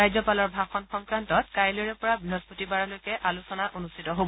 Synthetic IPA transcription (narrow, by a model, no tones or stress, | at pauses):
ajzɔpalɔɹbʱaxɔnxɔŋkɹantɔt̚kajloɹɛpɔɹabɹiɦɔspotibaɹɔlojkɛʔalusɔnaʔonustʰitɔɦobɔ